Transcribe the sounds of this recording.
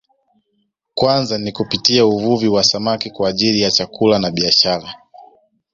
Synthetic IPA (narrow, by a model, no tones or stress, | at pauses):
kwanzanikupitiauvuviwasamakikwaːʄilijat͡ʃakulanaɓiaʃaɾa